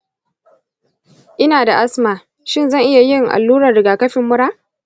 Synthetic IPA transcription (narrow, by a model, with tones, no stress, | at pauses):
ʔɪ˦naː˨da˨ʔa˦smaː˨ | ʃɪ˦˨nzɐ˦˨ŋʔɪ˦ja˨jɪ˦ŋʔa̰˨lːuː˦ɾɐ˨rɽɪ˨ɡaː˨kɐ˦ɸɪ˨mːʊ˦ɽaː˦